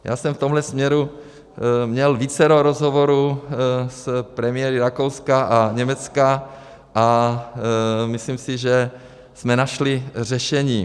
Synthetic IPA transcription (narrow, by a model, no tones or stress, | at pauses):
ja̰ːsɛmft̪omɦlɛsmɲɛɾu | mɲɛlviːt͡sɛɾoːɾozɦovoɾu | spɾɛmɪɛɾiɾakowskaʔaɲɛmɛt͡ska | ʔa | misliːmsɪʒɛ | smɛnaʃlir̝ɛʃɛɲiː